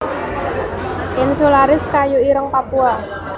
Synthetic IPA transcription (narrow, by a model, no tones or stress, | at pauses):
ʔɪnsolaɾɪskajoiɾəŋpapua